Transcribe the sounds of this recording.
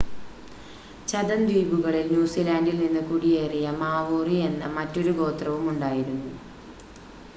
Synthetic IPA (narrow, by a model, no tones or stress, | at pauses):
t͡ɕɐd̪ɐnd̪iːbuɣɐɭilnjuːsilaːndilninːɨkuɽijeːrijɐmaːʋoːrie̞nːɐmɐtːo̞ɾuɡo̞ːt̪rɐʋumuɳɖaːjiɾunːu